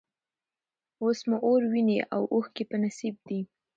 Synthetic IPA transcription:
osmuʔoɾwiniʔa̰wʔoxkepənasib̚d̪i

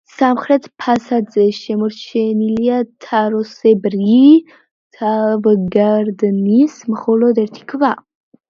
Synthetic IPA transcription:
samχɾɛt̪ʰpʰasad̪zɛʃɛmɔɾt͡ʃʰɛniliat̪ʰaɾɔsɛbɾi | t̪ʰavɡaɾd̪nismχɔlɔd̪ɛɾt̪ʰi̥kʰva

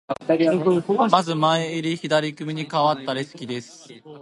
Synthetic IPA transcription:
mazɨmaeeɾʲiçid̪aɾʲikɯ̟mʲiɲ̟ikaβat̪ːaɾesɨ̥kʲid̪e̞sɨ̥

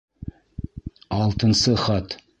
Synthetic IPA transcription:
ɑlˠt̪ɤ̆nsɤχɑt̪

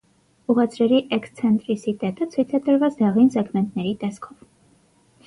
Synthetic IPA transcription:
uʁɛt͡sɾɛɾiʔɛkst͡sʰɛnt̪ɾisit̪ɛt̪ət͡sʰujt͡sʰɛd̪əɾvat͡sd̪ɛʁinsɛɡmɛnt̪nɛɾit̪ɛskʰɔv

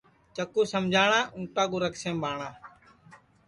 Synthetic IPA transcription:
t͡ʃəkuːsəmd͡ʒʱaːɳaːʔũːʈaːɡuːɾəksẽːmɓʱaːɳãː

